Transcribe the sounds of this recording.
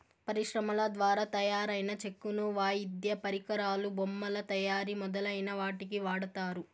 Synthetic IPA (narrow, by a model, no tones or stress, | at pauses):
pɐɾiʂɾɐmɐlɐd̪ʋaːɾaːt̪ɐjaːɾɐjnɐt͡ʃe̞kːunuʋaːjid̪jɐpɐɾikɐɾaːlubomːɐlɐt̪ɐjaːɾimɔd̪ɐlɐjnɐʋaːʈik̬iʋaːɽɐt̪aːɾu